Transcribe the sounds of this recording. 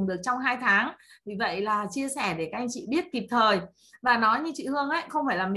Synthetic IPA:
ŋɗɨ˨˩ək̚t͡ɕɔ˧wŋ͡mɦaː˧jt̪ʰaː˨˦ŋ | vi˨˩və̰˧˨jlaː˨˩t͡ɕi˧əsɛ˧˩ɗe˧˩kaː˦k̚ʔa˧ŋ̟t͡ɕḭ˧˨ɓi˦˥ət̚ki˨˩p̚t̪ʰəː˨˩j | vaː˨˩nɔ˨˦jɲɨ˧t͡ɕḭ˧˨hɨ˧əŋʔə˧˦jxə˧wŋ͡mfaː˧˩jlaː˨˩mi˨

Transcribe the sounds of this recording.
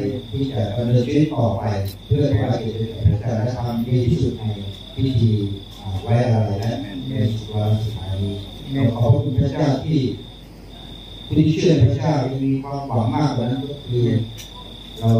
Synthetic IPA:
t̪ʰiː˥˩t͡ɕa˨˩da˧nɤː˧nkʰi˦˥˩t̪ɔː˨˩pa˧jpʰɯ˥˩ɐt̪ʰaː˥˩ɾa˧ke˨˩la˧˩ka˨˩pʰɾa˧˥t͡ɕaː˥˩lɛ˦˥t̪ʰa˧mːi˧t̪ʰiː˥˩su˨˩t̪̚na˧j | wi˦˥t̪ʰiː˧ | ʔaː˨˩wa˦˥ʔa˧ɾa˧jlɛ˦˥a˧˩˨waː˧la˧su˨˩aː˧˦jni˧˩ | ɔ˨˧˩kʰa˧˥˩ku˧npʰɾa˧˥˩t͡ɕaː˥˩wt̪ʰiː˥˩ | kʰu˧˩i˧˦˥t͡ɕʰɯ˥˩˨a˧˥˩pʰɾa˦˧˥t͡ɕaː˥˩wpe˧n˧kʰwaː˧mka˩˦maː˥˩k̚kaː˨˩na˦˥˩nkɔː˥˩kʰɯː˧ | ɾa˧w

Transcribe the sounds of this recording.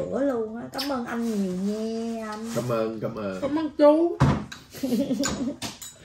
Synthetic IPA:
ɨ˧˩əlu˧ənː˨˦kaː˨˦mʔəː˧nʔa˧jŋɲi˨˩ŋɛ˧ʔa˧naː˨˦məː˧nkaː˨˦məː˧o˧˦ma˨˧nt͡ɕu˧

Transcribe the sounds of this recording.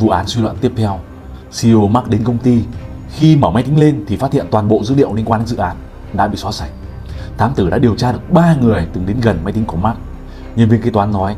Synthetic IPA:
vṵ˧˨ʔaː˨˦nswi˧lwə̰˧˨nt̪i˦˥əp̚t̪ʰɛ˧w | si˧o˧ma˦˥k̚ɗe˨˦nkə˧wŋ͡mt̪i˧ | xi˧məː˧˩wma˨˦jt̪ï˨˦ŋle˧nt̪ʰi˨˩faː˦˥t̪̚ʰḭ˧˨ə˨nt̪waː˨˩nɓo̰˧˨zɨ̰˧˥ɗḭ˧˨əwli˧ənkwaː˧ne˨˦nzɨ̰˧˨ʔaː˨˦n | ɗa̰ː˧˥ɓḭ˧˨sɔ˨˥sa˧˩jŋ̟̚ | t̪ʰaː˨˦mt̪ɨ˧˩ɗa̰ː˧˥ɗi˨˩əwt͡ɕaː˧ɗɨ˨˩ək̚ɓaː˧ŋɨ˨˩əjt̪ɨ˨˩ŋɗe˨˦nɣə˨˩nma˨˦jt̪i˨˦ŋku˧˩əma˦˥k̚ | ɲɨ˧nvŋki˧˦t̪waː˨˦nːɔ˨˦j

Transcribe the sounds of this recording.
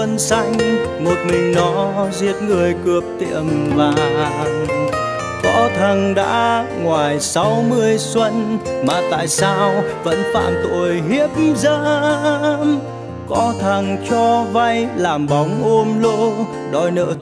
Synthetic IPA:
ə˧nsa˧jŋ̟ | mo˨˩t̚mï˨˩ŋ̟nɔ˨˦zi˧˩ət̚ŋɨ˨˩əjkɨ˨˩əp̚t̪ḭ˧˨əmvaː˨˩ | kɔ̰˧˥t̪ʰə˨˩ŋɗa̰ː˧˥ŋwaː˨˩jsa˨˦wmɨ˧əjswə˧nmaː˨˩t̪a̰ː˧˨jsaː˧wvə̰˧˥nfa̰ː˧˨mt̪o̰˧˨˩əjɦi˦˥əp̚mzaː˧ | m | kɔ˨˧˥t̪ʰə˨˩ŋt͡ɕɔ˧va˧jlaː˨˩mɓɔ˨˦wŋ͡mʔo˧mlo̰˧˥ | ɗɔ˧˩jnə̰ː˧˥

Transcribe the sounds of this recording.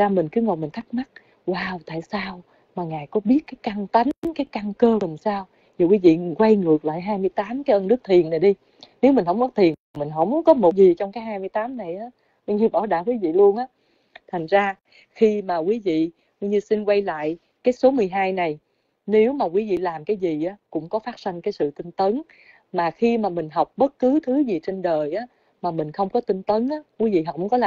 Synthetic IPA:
aː˧mi˨˩ŋ̟kɨ˨˦ŋo˨˩mi˨˩ŋ̟t̪a˦˥k̚ma˦˥t̚ | waː˧wt̪a̰ː˧˨jsaː˧w | maː˨˩ŋaː˨˩jkɔ˨˦ɓi˦˥ət̚kaː˨˦jka˧ŋt̪a˨˦ŋkaː˨˦jka˧ŋkəː˧la˨˩msaː˧w | zi˨˩kwi˨˦vḭ˧˨kwa˧jŋɨ˨˩ək̚la̰ː˧˨jɦaː˧jmɨ˧əjt̪aː˨˦mkaː˨˦jʔə˧nɨ˦˥ək̚t̪ʰi˨˩ənːa˨˩jɗi˧ | ne˨˦wmï˨˩ŋ̟hə̰˧˥wŋ͡mkɔ˨˦t̪ʰi˨˩ənt̪ʰi˨˩mï˨˩ŋ̟ɦə̰˧˥wŋ͡mkɔ˨˦mo˨˩t̚zi˨˩t͡ɕɔ˧wŋ͡mkaː˨˦jhaː˧jmɨ˧jt̪aː˨˦mna˨˩jʔaː˨˦ | wi˧ɲɨ˧ɓaː˧˩ɗaː˧˨kwi˨˦vḭ˧˨lu˧ənʔaː˨˦ | t̪ʰa˨˩jŋ̟zaː˧ | xi˧maː˨˩kwi˨˦vḭ˧˨ | wɲɨ˧si˧nkwa˧jla̰ː˧˨j | kaː˨˦jso˨˦mɨ˨˩əjɦaː˧jna˨˩j | ne˨˦wmaː˨˩kwi˨˦vḭ˧˨laː˨˩mkaː˨˦jzi˨˩ʔaː˨˦kʊ̰˧˥ŋ͡mkɔ˨˦faː˦˥t̚si˧ŋkaː˨˦jsɨ̰˧˨t̪ï˧ŋ̟t̪ə˨˦n | maː˨˩xi˧maː˨˩mï˨˩ŋ̟ɦɔ˨˩wk͡p̚ɓə˦˥t̚kɨ˨˦t̪ʰɨ˨˦zi˨˩t͡ɕe˧nɗəː˨˩jʔaː˨˦ | maː˨˩mï˨˩ŋ̟xə˧wŋ͡mkɔ˨˦t̪i˧ŋ̟t̪ə˨˦nʔaː˨˦kwi˨˦vḭ˧˨ɦa˨˩wk͡p̚ʔkɔ˨˦laː˨

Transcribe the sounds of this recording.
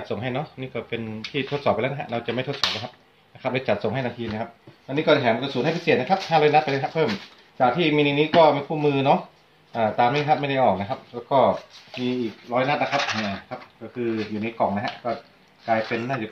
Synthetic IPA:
t͡ɕa˨t̪̚so˨˩ŋɦa˥˩jnɔ˦˥niː˥˩kɔː˥˩pe˧nt̪ʰiː˥˩t̪ʰo˦˥t̪̚sɔː˨˩p̚ːlɛː˦˥wn˧˥ɦa̰˦˥ʔɾa˧wt͡ɕa˨˩ma˥˩t̪ʰo˥sɔː˨˩p̚na˦˥kʰa˦˥p̚ | na˦˥kʰa˦˥p̚le˦˥t͡ɕa˨˩t̪̚so˨˩˦ŋa˩jnaː˧t̪ʰiː˧na˧˩kʰa˦˥p̚a˧niː˦˥kɔ˥˩˧ɦʰɛː˨˩˦m˧kːsuː˨˦nha˥˩pʰi˥se˨˩t̪̚na˦˥kʰa˦˥p̚haː˥˩lɔː˦˥jna˦˥t̪̚pa˧lɦa˧˥pʰɤː˥˩m | t͡ɕaː˨˩k̚t̪ʰiː˥˩miː˧ni˧niː˦˥kɔː˥˩miː˧pʰuː˥˩mɯː˧nɔ˦˥ | ʔaː˨˩t̪aː˧mːa˦˥˦kʰa˦˥p̚ma˥˩jda˥˩jʔɔː˨˩k̚na˦˥kʰa˦˥p̚lɛː˦˥wkɔː˥˩miː˧ʔiː˨˩k̚ɾɔː˦˥jna˦˥t̪̚na˦˥kʰa˦˥p̚ni˧˩˦kʰa˦˥p̚kɔː˥˩kʰɯː˧juː˨˩na˧jkɔ˨˩ŋna˦˥ɦa˧˥kɔː˥˩ | klaː˧jpe˧nːaː˥˩juː˨˩

